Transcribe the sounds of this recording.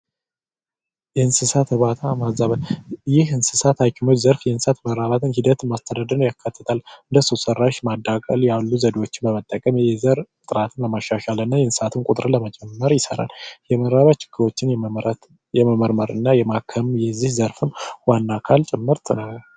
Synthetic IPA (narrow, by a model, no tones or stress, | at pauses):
jɛhɨnsɨsat̪hɨβat̪ʰamazaβət̪jɪhɨnsɨsat̪ʰakʰʼːɪmot͡ʃːzəɾfjɛɨnsat̪məɾaβat̪ʰɨnhid̪ət̪ɨmast̪ʰəd̪ad̪əɾnjakʰːat̪ʰːə̥t̪ʰalɨnd̪əsosərːaʃmad̪ːakʼəljalːuzəd̪ewo̞t͡ʃːɪnbəmət̪ʼːəkʼəmjɛzəɾ | t̪ʼɨɾat̪ʰɨnləmaʃːaʃalɨnːajɛnsɨ̥sat̪ʰɨnkʼʊt̪ʼɾɨnləmət͡ʃʼɛmːəɾjɪsə̰ɾa̰ljɛməɾaβat̪t͡ʃɪ̥ɡːɨɾo̞t͡ʃːɪnjɛ | jɛməməɾməɾɨnːajɛmakʰəmjɛzːihzəɾfɨnwanːakʰalt͡ʃʼɪmːɨɾt̪ʰɨnaɡ